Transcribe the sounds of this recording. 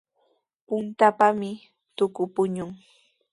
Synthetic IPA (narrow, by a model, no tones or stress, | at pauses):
pʊnt̪apamɪ | t̪ʊkʊpʊɲʊŋ